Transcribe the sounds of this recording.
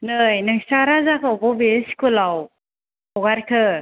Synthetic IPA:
nɯjnɯŋsaɾazakʰɯɔbɔbesi̥kolaw | ɔɡaɾkʰɯ

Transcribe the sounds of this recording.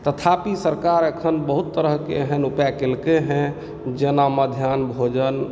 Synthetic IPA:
t̪ət̪ʰapisəɾkaɾekʰənbəɦut̪ːəɾəɦkḛɦɛ̃nupjakelkeɦɛ̃ | d͡ʒenaməd̪ʱjaːnbʱod͡ʒən

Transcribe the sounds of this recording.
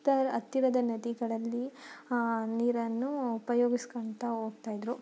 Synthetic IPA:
t̪ɐɾɐt̪ːiɾɐd̪ɐnɐd̪iɡɐɭɐlːi | niːɾɐnːuːpɐjoːɡiskoɳt̪ɐoːɡ̚t̪aːjid̪ɾu

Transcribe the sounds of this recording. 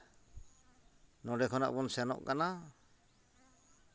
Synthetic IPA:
nɔɖɛkʰɔna̰ʔbɔnsɛnɔ̰ʔkana

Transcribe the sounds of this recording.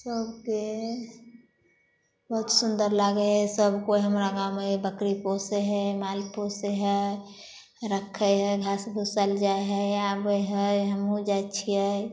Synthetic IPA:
səbke | bəɦut̪sund̪əɾlaɡeɦɛsəbkoiɦəmɾaɡawmebəkɾiposeɦəmalposeɦə | ɾəkʰːəjɦəɡʱasbʱusald͡ʒaeɦəjabəɦəɦəmũd͡ʒajt͡ʃʰiɦə

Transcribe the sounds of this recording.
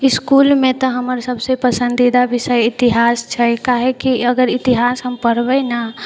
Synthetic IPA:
ɪskulmẽt̪ɔɦəməɾsəbsepəsə̃nd̪id̪abɪsəjɪt̪iɦaːst͡ʃʰɛkaɦekiəɡəɾɪt̪iɦaːsɦəmpəɾbəna

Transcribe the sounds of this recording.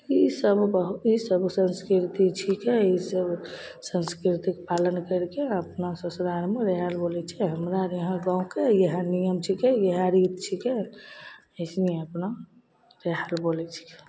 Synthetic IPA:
isəbbəɦuisəbsə̃nskɾiɾt̪it͡ʃʰikɛisəbsə̃nskɾiɾt̪ikpalənkəɾkeəpnasəsɾaɾmeɾeɦalbolɛt͡ʃʰɛɦəmɾaɾeɦə̃ɡãũkejəɦə̃nijəmt͡ʃʰikɛjəɦãɾit̪t͡ʃʰike | əsniəpna | ɾeɦalbolɛt͡ʃʰi̥kɛ̥

